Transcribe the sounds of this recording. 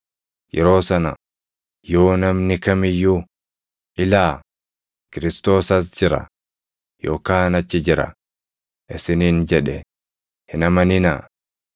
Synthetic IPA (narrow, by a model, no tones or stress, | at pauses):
jɛ̰ɾo̞ːsɐnɐ | jo̞ːnɐmnɪkɐmɪjːʊ | ʔɪlaː | kɪɾɪst̪o̞ːsɐs̬d͡ʒɪɾɐ̰ | jo̰ːkaːnɐt͡ʃːɪd͡ʒɪɾɐ̰ | ʔɪsɪniːnd͡ʒɛᶑɛ | hɪnɐmɐnɪna̰ː